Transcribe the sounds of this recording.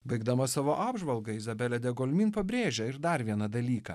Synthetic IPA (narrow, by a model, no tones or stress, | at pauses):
bɐɪɡd̪ɐmɐssɑːʋoːʔɑːbʒʋɐlˠɡɐɪzɐbʲɛlʲɛd̪ʲɛɡolʲmʲiːnpɐbʲɾʲeːʒʲɛɪɾd̪ɐɾʋʲiɛnɐd̪ɐlʲiːkɐ̰